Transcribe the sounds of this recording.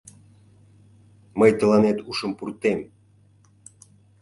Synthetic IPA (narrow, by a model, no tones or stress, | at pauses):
məjt̪ə̆lɑnet̪uʃə̆mpurt̪em